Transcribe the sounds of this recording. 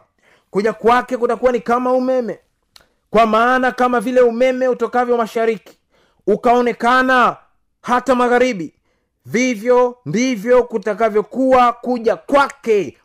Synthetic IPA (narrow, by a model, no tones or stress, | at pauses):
kuʄakwakɛkutakuwanikamaumɛmɛ | kwamaːnakamavilɛumɛmɛutɔkavjɔmaʃaɾiki̥ | ukaɔnɛkana | hatamaɣaɾiɓi | vivjɔndivjɔkutakavjɔkuwakuʄakwakɛ